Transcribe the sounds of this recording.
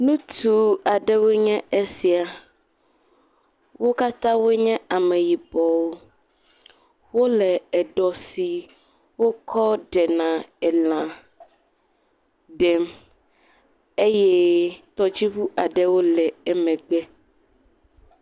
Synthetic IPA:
nũ˦t̪u˨a˨ɖɛ˦wo˦ɲɛ̃˦ʔe˦si˨a˨ | wo˦ka˦t̪ã˦wo˦ɲɛ̃˦a˨mɛ˨ji˨bɔ˨wo˦ | wo˦lɛ˨ɛ˨ɖɔ˨si˨ | wo˦kʰɔ˦ɖɛ˨nã˨ɛ˨l̃ã˨ | ɖɛ˨m | e˦jɛ˦t̪ɔ˦d͡ʑi˦ɸu˦ʔa˨ɖɛ˦wo˦lɛ˨ɛ˦mɛ̃˨ɡ͡bɛ˦

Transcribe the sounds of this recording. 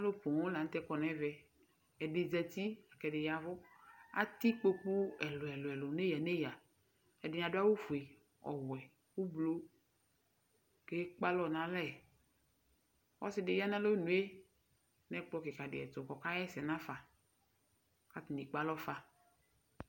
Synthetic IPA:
a˦lo˦po˨wo˦la˨ŋ̩˦t̪ɛ˦kɔ˨nɛ̃˦vɛ˨ | ɛ˨ɖe˨d͡ʒɛ˨t̪i˦a˨kɛ˨dɪ˨ja˨vɔ˦a̰˦t̪i˦k͡po˦k͡pu˦ɛ˨lo˨ɛ˨lo˨ɛ˨lo˨ne˦ja˨ne˦ja˨ | ɛ˨dɪ˨ɲ˨ã˨do˦a˦wo˦fu˨e˨ | ɔ̰˨wɛ˨ | wo˦blo˦ | ke˦k͡pa˦lɔ˦˨nã˨˦lɛ˦˨ | wɔ̰˦sɪ˦de˨ja˦nã˦lo˦nũ˨˦e˦ | nɛ̃˦k͡plɔ˦ke˨ka˨dɪ˨ɛ̰˨t̪o˨kɔ˨ka˦jɛ˦sɛ˨nã˦fa˨ | ka˦t̪ni˨k͡pa˦lɔ˦fa˦

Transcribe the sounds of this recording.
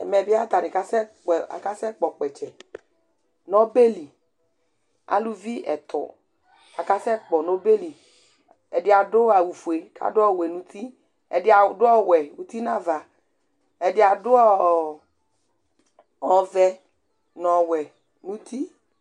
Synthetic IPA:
ɛ̰˨mɛ˨bɪ˦a˦t̪a˨ni˨ka˦sɛ˦k͡pɛ˨a̰˨ka˦sɛ˦k͡pɔ˨k͡pɛ˨t͡ʃɛ˨ | nɔ˦be˦li˨ | a̰˨lu˦vi˦ɛ̰˨t̪ʰɔ̰˨ | a˨ka˦sɛ˦k͡pɔ˨no˦be˦li˨ | ɛ˨dɪ˦a˨dʊ˦a˨wu˨fu˨e˨kʰa̰˨dʊ˦ɔ˦˨we˨nũ˨t̪ʰi˦ | ɛ˨dɪ˦a˨˦dʊ˦ɔ˦wɛ˨wu˦t̪i˦nã˦va˨ | ɛ˨dɪ˨a˨dʊ˦ɔ˦˨ | ɔ˨vɛ˦ | nɔ˨wɛ˨ | nũ˦t̪ʰi˦

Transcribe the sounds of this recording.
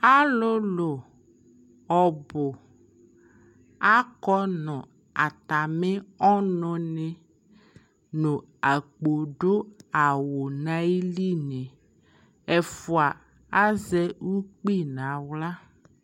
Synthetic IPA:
a˦lo˦lo˨ | ɔ˨bo˨ | a˦kɔ˦nɔ̃˨ | a˨t̪a˨me˦ɔ˦nɔ̃˨ne˨ | nõ˨ | a˨k͡po˨ɖo˦a˨wo˨nã˦i˦li˦nẽ˨ | ɛ˨fo˨a˨ | a˦zɛ˦wu˦k͡pi˦˨nã˨wla˦

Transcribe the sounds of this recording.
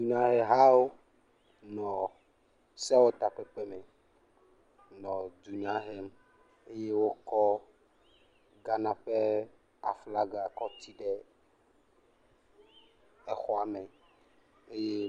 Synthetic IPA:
u˨ɲã˦ɦɛ˨ɦa˦wo˦ | nɔ̃˨ | sɛ˦wo˦t̪a˨k͡pɛ˦k͡pɛ˦mɛ˨ | nɔ̃˨d͡ʒu˨ɲã˦ɦe˦m | e˦je˦wo˦kɔ˦ | ɡa˨nã˨ɸe˦ | a˨fla˦ɡa˨kɔ˦t̪i˦ɖɛ˦ | ɛ˨xɔ˦a˨mɛ˨ | e˦je˦

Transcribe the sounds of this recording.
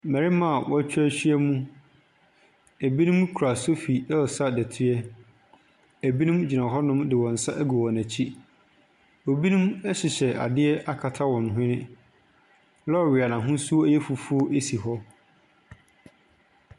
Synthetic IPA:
mæ˨ɾi˦mã˦˨wʔɔ˦t͡ɕʰᶣæ˦ɕᶣɥɛ˦mũ˦ | æ˨bi˦nũ˦m˦kʰu˨ɾa˨so˦fi˨ɛ˦˨sa˦dɛ˨tʰɪ˦ɛ˦ | æ˨bi˦nũ˦md͡ʑi˨nã˨ɦɔ˦nʊ̃˦mdɪ˨wɔ̃˨n̩˨sa˦ʔæ˦ɡu˨wɔ̃˨næ̃˨t͡ɕʰi˦ | o˨bi˦nũ˦mɛ˦ɕɪ˨ɕɛ˨ʔa̰˨dɪ˦ɛ˦ʔa˦kʰa˨tʰa˦wɔ̃˨n˨ɦɪ̃˦nɪ̃˦ | lɔ˦˨ɥi˨a˨nã˨ɦʊ̃˦su˦o˦æ˦jɛ˦fu˨fu˦o˦ʔe˦si˨ɦɔ˦

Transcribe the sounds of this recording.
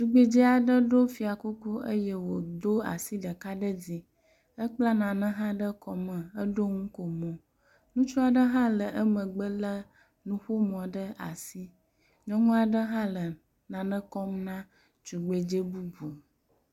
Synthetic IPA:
t͡ʃu˨ɡ͡be˦d͡ʒe˦a˨ɖə˦ɖo˦fi˨a˨ku˦ku˦ʔə˦jɛ˦wo˨d̪o˦a̰˨si˦ɖə˨ka˦ɖə˦d͡zi˨ | ə˦k͡pla˦nã˨nə̃˦ɦã˦ɖə˦kɔ˨mə̃˨ə˦ɖo˦ŋũ˦ko˨mɔ̃˨ | nũ˦t͡ʃu˦a˨ɖə˦ɦã˦lə˨ʔə˦mə̃˨ɡ͡bə˦lə˦ | nũ˦ɸo˦mɔ̃˨ɖə˦a̰˨si˦ | ɲɛ̃˦ŋũ˦a˨ɖə˦ɦã˦lə˨ | nã˨nə̃˦kɔ˦mnã˦ | t͡ʃu˨ɡ͡be˨d͡ʒe˦bu˦bu˨

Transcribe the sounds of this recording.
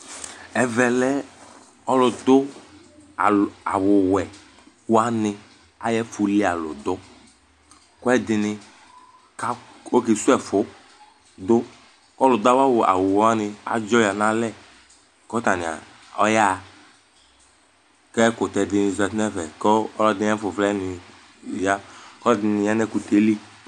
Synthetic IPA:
ɛ˨vɛ˨lɛ˦ | ɔ˦lʊ˨dʊ˦˨ | a̰˨wʊ˨wɛ˨ | wa˦nɪ˧ | a˦jɛ˦fʊ˨li˦a˨lʊ̰˨d̪ʊ˦ | kɔ˦ɛ˦dɪ˨nɪ˧ | ka˦ | o˦ki˨su˦ɛ˨fʊ˨˦ | d̪ʊ˦ | kɔ˦lʊ˨da˦wa˦wʊ˨a̰˨wʊ˨wa˦nɪ˧a̰˨d͡ʒɔ˦ja˨na˦lɛ˦˨ | kɔ˦ta˨nɪ˨a̰˨ | ɔ˦ja˦˨ | kɛ˦kʊ˨tɛ˨dɪ˨nɪ˨zɛ˨tnɛ˦vɛ˨kɔ˦ɔ˦lɔ˦dɪ˦ɛ˦fʊ˨vlɛ˦nɪ˨ | ja˦kɔ˦ɛ˦dɪ˨nɪ˨ja˦n˦ɛ˦ku˨te˦li˦

